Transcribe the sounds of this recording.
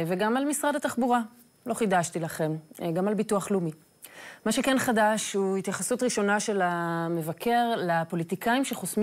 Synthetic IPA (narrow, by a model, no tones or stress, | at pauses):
veɡamalmisʁadataχbuʁa | lo̞χidaʃtilaχe̞mɡamalbituaχlumi | maʃe̞kenχadaʃhuit̪jaχasutʁiʃo̞naʃe̞lame̞vakʰe̞ʁlapo̞litikaimʃeχosm